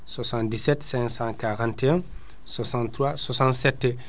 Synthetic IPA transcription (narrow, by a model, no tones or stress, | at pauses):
swasãndisɛtsɛ̃ŋksãkaʁãntɛɛ̃ | swasãntːɾwaswasãntsɛtːɛ